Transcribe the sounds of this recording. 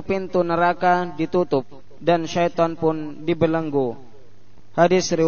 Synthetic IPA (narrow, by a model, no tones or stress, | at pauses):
pint̪unəɾakadit̪ut̪ʊp̚ | danʃajt̪ɔnpʊndibələŋɡu | hadɪsɾi